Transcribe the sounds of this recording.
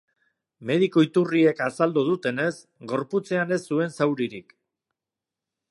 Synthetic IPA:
me̞ð̞iko̞it̪urie̞kasald̪uð̞ut̪e̞ne̞s | ɡo̞ɾput͡se̞ane̞sːue̞nsawɾiɾik

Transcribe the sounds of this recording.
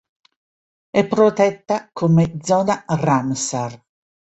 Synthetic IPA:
ɛpːɾot̪ɛt̪ːakʰomed̪zɔːnaramsar

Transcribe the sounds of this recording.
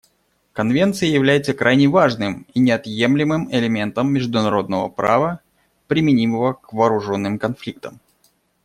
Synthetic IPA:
kɐnvʲe̞nt̪sɨjəjɪvlʲæjɪt̪səkɾʔajnʲɪvaʐnɨminʲɪɐt̪je̞mlʲɪmɨmɪlʲɪmʲe̞nt̪əmːʲɪʐd̪ʊnɐɾo̞d̪nəvə̰pɾa̰və | pɾʲɪmʲɪnʲiməvəkvɐːɾʊʐo̞nːɨmkɐnflʲik̚t̪əm

